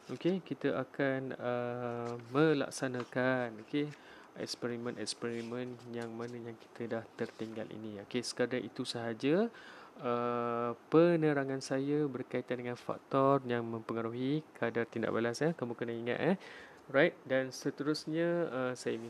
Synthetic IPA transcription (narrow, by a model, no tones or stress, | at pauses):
ʔokekit̪əʔakanə | mə̃la̰ksanakanoke | ʔɛ̰kspɛɾimə̃nʔɛkspɛɾimə̃njaŋmanə̃jaŋki̥t̪ʰədaht̪ərt̪iŋɡa̰lḭnĩokesə̥kadaʔit̪usəɦad͡ʒə | əpənəɾaŋansajəbərkait̪andəŋanfa̰k̚t̪ɔrjaŋmə̃mpəŋaɾuɦikadart̪inda̰ʔbalasahkəmukənahiŋa̰t̪̚ɛ | rajt̪̚dansət̪əɾusɲə̃əsajənĩ